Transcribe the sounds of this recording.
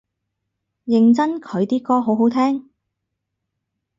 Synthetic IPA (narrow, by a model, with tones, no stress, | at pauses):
jɪ˨˩ŋt͡sɐ˥nkʰɵ˨˧ɥt̪iː˥kɔː˥ɦo˨˥wɦo˨˥wt̪ʰɛː˥ŋ